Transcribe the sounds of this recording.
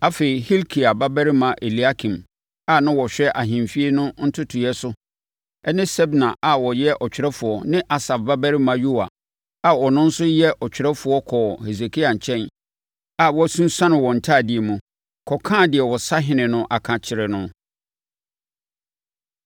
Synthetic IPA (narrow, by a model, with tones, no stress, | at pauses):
a˦fe˨ɾi˨hi˦lkʰi˨a˨ba˦bɛ˦ɾi˦mã˨ʔe˨li˨a˦kʰĩ˨m | a˨nã˦wɔ˨ɕᶣɛ˦ʔa˨ɦɪ̃˨mfi˦e˦nʊ̃˦n̩˦tʰʊ˦tʰʊ˨jɛ˦sʊ˦ | ɛ˦nɪ̃˦sɛ˦bnã˨ʔa˨wɔ˨jɛ˦ʔɔ˨t͡ɕᶣɪ˨ɾɛ˦fʊ˨ɔ˦nɪ̃˦ʔa˨sa˨fba˦bɛ˦ɾi˦mã˨ju˦a̰˨ | a˨wɔ˨nʊ̃˦n̩˦sʊ˦jɛ˦ʔʔɔ˨t͡ɕᶣɪ˨ɾɛ˦fʊ˨ɔ˦kʰɔ˨he˨s̬e˨kʰi˦a˨ɲ̩˨t͡ɕʰɛ̃˦n | a˨wɔ˦sũ˦n˦sã˦nɪ̃˨wɔ˨n̩˨tʰaː˦˨dɪ˨ɛ˨mũ˨ | kʰɔ˨kʰã˦˨dɪ˨ɛ˨wɔ˨sa˦ɦɪ̃˦nɪ̃˨nʊ̃˦ʔa˨kʰã˨t͡ɕʰɪ˨ɾɪ˨nʊ̃˦